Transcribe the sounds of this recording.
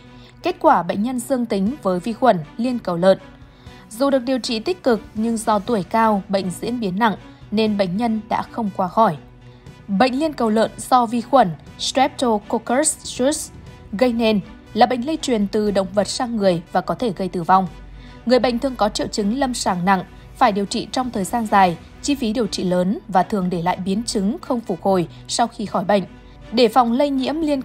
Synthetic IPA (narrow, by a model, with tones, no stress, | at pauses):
ke˦˥t̚kwaː˧˩ɓə̰˧˨jŋ̟ɲə˧nzɨ˧əŋt̪ï˨˦ŋ̟vəː˨˦jvi˧xwə˧˩nli˧ənkə˨˩wlə̰ː˧˨n | zu˨˩ɗɨ˨˩ək̚ɗi˨˩əwt͡ɕḭ˧˨t̪i˦˥k̟̚kɨ˨˩k̚ɲɨ˧ŋzɔ˧t̪u˧˩əjkaː˧wɓə̰˧˨jŋ̟zḭ˧˥ənɓi˨˦ənːa̰˧˨ŋ | ne˧nɓə̰˧˨ŋ̟ɲə˧nɗa̰ː˧˥xə˧wŋ͡mkwaː˨˦xɔ˧˩j | ɓə̰˧˨ŋ̟li˧ənkə˨˩wlə̰ː˧˨nz̥ɔ˧vi˧xwə˧˩nstɹɛ˦˥p̚t̪o˧ko˧kə˦˥si˦˥s | ɣə˧jnɛ˧n | laː˨˩ɓə̰˧˨jŋ̟lə˧jt͡ɕwi˨˩ənt̪ɨ˨˩ɗə̰˧˨wŋ͡mvə˨˩t̚saː˧ŋːɨ˨˩əjvaː˨˩kɔ˨˦t̪ʰe˧˩ɣə˧jt̪ɨ˨˩va˧wŋ͡m | ŋɨ˨˩əjɓə̰˧˨ŋ̟t̪ʰɨ˨˩əŋkɔ˨˦t͡ɕḭ˧˨wt͡ɕɨ˨˦ŋlə˧msaː˧˩ŋna̰˧˨ŋ | faː˧˩jɗi˨˩əwt͡ɕḭ˧˨t͡ɕɔ˧wŋ͡mt̪ʰəː˨˩jzaː˧nzaː˨˩j | t͡ɕi˧fi˨˦ɗi˨˩əwt͡ɕḭ˧˨ləː˨˦nvaː˨˩t̪ʰɨ˨˩əŋɗe˧˩la̰ː˧˨jɓi˨˦ənt͡ɕɨ˨˦ŋxə˧wŋ͡mfu˧˩k̚ho˨˩j | sa˧wxi˧xɔ˧˩jɓə̰˧˨jŋ̟ | ɗe˧˩fa˨˩wŋ͡mlə˧jɲḭ˧˥əmli˧ən